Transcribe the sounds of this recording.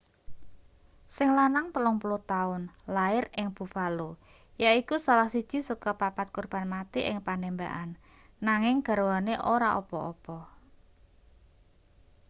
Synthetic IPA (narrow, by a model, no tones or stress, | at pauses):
sɪŋlanaŋt̪əlɔŋpuluht̪aʊnlaɪrɪŋb̥ṳfalu | jaikusalahsid̥ʒ̥i̤sukɔpapat̪̚kurb̥a̤nmat̪iʔɪŋpanemba̰ʔanː | aŋɪŋɡ̥a̤ɾowaneʔoɾaʔopɔɔpɔ